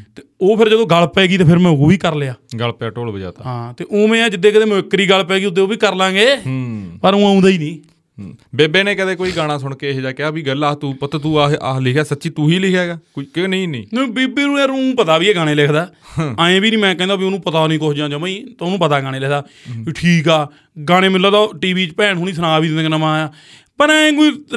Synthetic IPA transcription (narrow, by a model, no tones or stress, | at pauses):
t̪eoːpʰɪɾd͡ʒəd̪õːɡəlpeːɡiːt̪eːpʰɪɾmɛ̃ːoːbiːkəɾleːaːɡəlpːaːʈoːlbəd͡ʒa̰ːt̪a̰ɦãːt̪eːʔoːmɛ̃ːãːd͡ʒɪd̪ːeːkəd̪eːməɪkːɾiːɡəlpɛːɡiːʊd̪eːoːbiːkəɾlãːɡeːpəɾõːãːũːnd̪aːiːnĩː | beːbeːneːkəd̪eːkoːiːɡaːɽ̃ãːsʊɳkeːɦd͡ʒaːkɪaːbiːɡəlːaːt̪uːpət̪at̪uːalɪkʰjaːsətːʃiːt̪uːɦiːlɪkʰɛːɡaːkʊnĩːnḭ̃ːnebiːbiːũːẽːɾũːpət̪aːbiːeːɡaːɽ̃eːlekʰd̪aːaːẽːbiːnĩːmɛ̃ːkɛ̃ːd̪aːbiːnũːpət̪aːnĩːkosd͡ʒãːd͡ʒəmiːt̪onũːpət̪aːɡaːɽ̃eːlɪkʰd̪aːiʈʰiːkaː | ɡaːɽ̃eːmɪlːaːt̪aːʈiːʋiːt͡ʃpɛːɳɦoːñiːs̬ʰənaːbiːd̪ɪenəmãːjaː | pəɾɛ̃ːɡui